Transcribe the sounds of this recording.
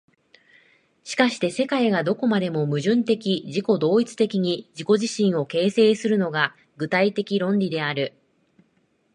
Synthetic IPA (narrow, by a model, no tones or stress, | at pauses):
ɕi̥kaɕi̥t̪e̞se̞kaiɡad̪o̞ko̞mad̪e̞mo̞mɯ̟ʑɨ̃nt̪e̞kʲiʑiko̞d̪o̞ːit͡sɨ̥t̪e̞kʲiɲ̟id͡ʑiko̞ʑiɕĩɰ̃o̞ke̞ːse̞ːsɨɾɯ̟no̞ɡa | ɡɯ̟t̪ait̪e̞kʲiɾõ̞nɾʲid̪e̞aɾɯ̟